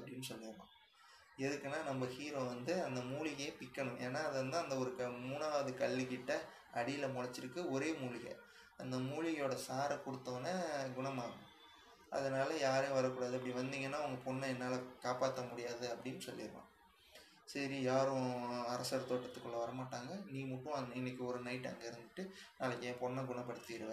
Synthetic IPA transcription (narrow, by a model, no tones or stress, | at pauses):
ɐpːɐɽɪnːɯsɔlːɪɾɯnã̰ː | ɛðɯkːɐnːaːnɐmbɐhiːɾoːʋɐnd̪ɯɐnd̪ɐmuːɭɪɣɐjepɪkːɐɳʊ̃mʔeːnːaːɐðɯʋɐnd̪ɯɐnd̪ɐɔɾɯkɐmuːnaːʋɐðɯkɐɭːikɪʈːɐ | ɐɽɪjɪlɐmɔɻɐt͡ʃːɪɾɯkːɯɔɾeːmuːlɪɣɐ̰ | ɐnd̪ɐmuːɻɪɣɐjoːɽɐsaːɾɐkʊɽɯt̪ːoːnɐɡʊɳɐmaːɐ̃ | ʔɐ̰ðɐnaːlɐjaːɾẽʋɐɾɐkːuːɽaːðɯɛpːɐɽiʋɐnd̪iːŋɡɐnːaːɐŋɡɐpɔnːɐɛnːaːlɐkaːpaːt̪ːɐmʊɽɪjaːðɯɐpːɐɽɪnːsɔlːɪɾɯʋã̰ː | sɐɾijaːɾʊ̃ɐɾɐsɐɾɐt̪oːʈːɐt̪ːɯkːɯɭːɐʋɐɾɐmaːʈːaːŋɡɐniːmʊʈːʊ̃ɐɪnːɐkːɯɔɾɯnɐɪʈːɐ̰ŋɡɐɪɾɯnd̪ɯʈːɯnaːlɪkːjẽpɔnːɐɡʊɳɐpːɐɽɯt̪ːiɾɯʋɐ